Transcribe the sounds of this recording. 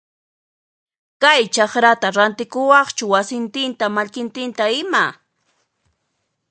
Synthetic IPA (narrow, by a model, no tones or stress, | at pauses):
kajt͡ʃɑχɾat̪aɾant̪ɪkʊwɑχt͡ʃʊwasɪnt̪ɪnt̪amaʎkɪnt̪ɪnt̪aɪma